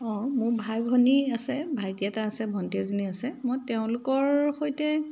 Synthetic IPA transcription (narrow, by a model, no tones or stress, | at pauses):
ɔ̃mʊɹbʱajbʱɔniasɛbʱajdiataːsɛbʱɔnteziniasɛmojtɛʊ̃lʊkɔɹxojtɛ